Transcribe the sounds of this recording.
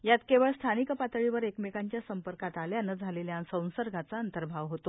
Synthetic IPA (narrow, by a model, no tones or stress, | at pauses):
jat̪keʋəɭst̪ʰanikəpat̪əɭiʋəɾekmekaɲt͡ɕjasəmpəɾkat̪aljanəd͡zʱaleljansə̃w̃səɾɡʱat͡saənt̪əɾbʱaʋɦot̪o